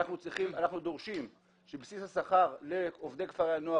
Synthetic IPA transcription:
aχnut͡sʁiχimanaχnud̪o̞ʁʃim | ʃebsishasaχaʁleovd̪ekvaʁeanoa

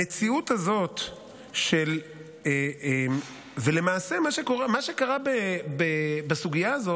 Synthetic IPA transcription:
et͡siut̪hazo̞t̪ | ʃe̞l | eem | vele̞maːse̞maʃeko̞ʁemaʃekaʁabebebasuɡijaːzo̞t

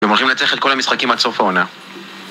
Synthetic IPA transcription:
emo̞lχimlat͡seχet̪kolhamisχakimalso̞faona

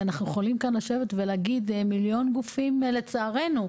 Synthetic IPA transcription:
anaχnujeχolimkanlaʃe̞vet̪velaɡid̪miljo̞nɡufimle̞t͡saːʁe̞nu

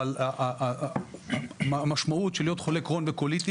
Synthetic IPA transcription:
laʔa | maʃmaut̪ʃeljo̞t̪χolekʁonvekolit̪i

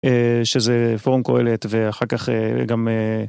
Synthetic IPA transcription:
eʃezefoʁmko̞e̞let̪veaχaʁkaχḛɡame

